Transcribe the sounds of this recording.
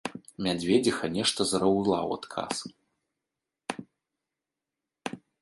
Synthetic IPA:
mʲad͡zʲvʲed͡zʲixɐnʲɛʂt̪ɐzɐɾawlˠa̰wa̰t̪kʰa̰s

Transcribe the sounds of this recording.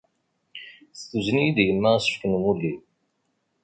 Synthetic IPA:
θθuzənijid̪jəmːæsə̥fkənmulːi

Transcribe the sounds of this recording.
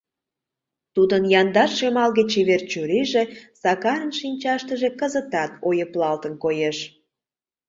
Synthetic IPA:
t̪ud̪ənjɑnd̪ɑʃʃemɑlɣet͡ɕːeβert͡ɕuɾiʒesɑkɑɾənʃinʲt͡ɕɑʃt̪əʒekəzət̪ɑt̪ojəplɑlt̪ənkojeʃ

